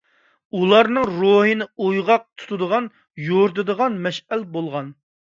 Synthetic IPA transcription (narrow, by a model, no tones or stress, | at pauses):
ulˠɑɾnɨŋɾoɦɨnɪujʁɑq̚t̪ʰu̥t̪ʰud̪əʁɑn | joɾd̪ɨd̪əʁɑnmɛʃælbolˠʁɑn